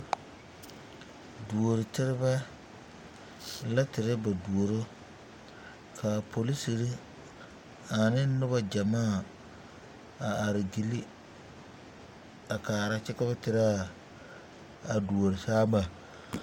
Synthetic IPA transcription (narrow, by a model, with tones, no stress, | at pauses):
du˨o˨ɾɪ˨tɪ˦ɾɪ˦bɛ˦ | la˦tɪ˨ɾɪ˦ba˨du˨o˨ɾo˦ | kʰa˨pʰo˨li˦si˨ɾɪ˦ | a˨nɪ˦nʊ˦ba˦d͡ʒa˨maː˦˨ | a˨a˨ɾɪ˨ɡi˨li˦ | a˨kaː˨ɾa˦t͡ʃɪ˦ka˦ba˦tɪ˦ɾa˦ | a˨du˨o˨ɾɪ˨saː˦ba˨